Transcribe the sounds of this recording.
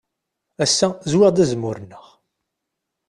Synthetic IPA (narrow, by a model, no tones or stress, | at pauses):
æsːæzwɪʁd̪æzmːʊɾənːəʁ